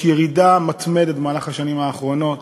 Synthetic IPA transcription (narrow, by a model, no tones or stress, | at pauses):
jeʁidamat̪med̪et̪maːlaχaʃanimaːχʁo̞no̞t̪